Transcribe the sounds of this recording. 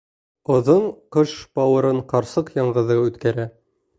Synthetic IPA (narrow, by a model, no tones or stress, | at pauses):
ŏðɤɴqɤʃbɑwɤ̆ɾɤɴqɑɾsɤqjɑɴʁɤ̆ðɤʉt̪kæɾæ